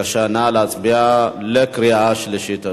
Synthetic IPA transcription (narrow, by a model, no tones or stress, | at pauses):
ʃanalat͡sʼbijalɐkɾiaʃlɐʃit̪ʰɐ